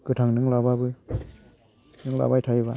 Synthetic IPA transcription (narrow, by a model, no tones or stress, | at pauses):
kɯtʰaŋnɯŋlababɯ | nɯŋla̰bajtʰajba